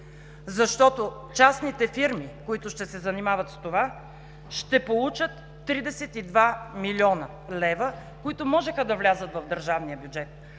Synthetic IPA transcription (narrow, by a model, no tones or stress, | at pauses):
zɐʃt̪ɔt̪o | t͡ʃasnit̪ɛfiɾmikoit̪ʊʃt̪ɛsɛzɐnimavɐt̪st̪ova | ʃt̪ɛpolˠut͡ʃət̪ːɾid̪ɛsɛt̪id̪vamilʲiɔnə | lɛvə | koit̪omɔʒɛxəd̪ɐvlʲazət̪vɐvd̪əɾʒavnijəbjud͡ʒɛt̪̚